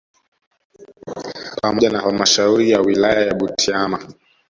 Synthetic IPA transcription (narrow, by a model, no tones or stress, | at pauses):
pamɔʄanahalmaʃauɾijawilajajaɓutʰiama